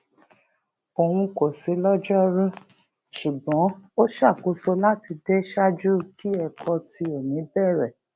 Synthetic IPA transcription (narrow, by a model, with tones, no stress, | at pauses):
o˨wũ˧ko˨se˨˦lɔ˦d͡ʒɔ˦ɾũ˦ | ʃu˨ɡ͡bɔ̃˨˦o˦ʃa˦˨ko˨˦so˧la˦ti˧de˦ʃa˦d͡ʒu˦ki˦ɛ˧kʰɔ˧ti˧e˨nĩ˨˦bɛ˦˨ɾɛ˨